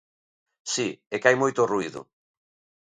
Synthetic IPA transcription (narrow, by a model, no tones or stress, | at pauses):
siɛkajmojt̪ʊruiðʊ̰